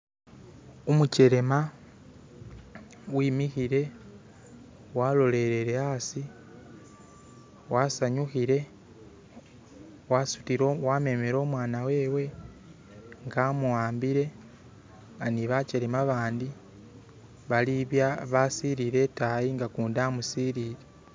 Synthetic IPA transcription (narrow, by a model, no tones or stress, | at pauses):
umuce̞ɾe̞ma | wiːmixiɾe̞ | walo̞le̞ɾe̞ɾe̞asi | wasaɲuxiɾe̞ | wasutiwame̞meɾo̞ːmwaːnawe̞ːwe̞ | ŋɡamuwaːmbiɾe̞ | ŋɡaniβat͡ʃeɾemaβaːndi | βaliβjaβasiɾiɾe̞tajiŋɡakuːndamusiɾiɾe